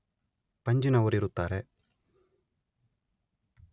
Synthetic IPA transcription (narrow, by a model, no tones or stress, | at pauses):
pɐɲd͡ʒinɐʋɐɾiɾut̪ːaːɾe